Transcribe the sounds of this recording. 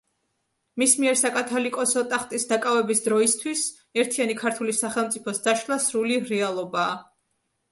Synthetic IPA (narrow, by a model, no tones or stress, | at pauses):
mismiɛɾsakʼat̪ʰɔlikʼɔsɔt̪ʼaχt̪ʼisd̪akʼavɛbisd̪ɾɔist̪ʰwis | ɛɾt̪ʰianikʰaɾt̪ʰulisaχɛlˠmt̪sʼipʰɔsd̪aʃlˠasɾuliɾɛalˠɔbaː